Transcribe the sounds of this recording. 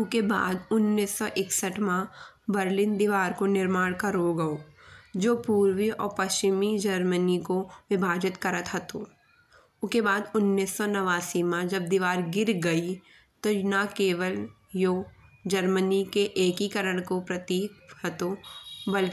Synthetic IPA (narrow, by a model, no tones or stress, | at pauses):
ʊkeba̰ːd̪ʊnːiːsːɔʔɪksəʈmã | bəɾlɪnd̪ɪʋaːɾkonɪɾmaːɽ̃kɐɾoɡɐoːd͡ʒoːpuːɾwiɔ̰ːɾpɐʃt͡ʃɪmid͡ʒɐɾmənikoʋɪbʱaːd͡ʒɪt̪kɐɾət̪ɦɐt̪oː | ʊkebaːd̪ʊnːiːsːɔnɐʋaːsimãd͡ʒɐb̚d̪iʋaːɾɡɪɾɡɐi | t̪onakeːʋəl | joːd͡ʒəɾmənikeʔeːkikəɾəɽ̃kopɾɐt̪iːk̚hɐt̪obɐl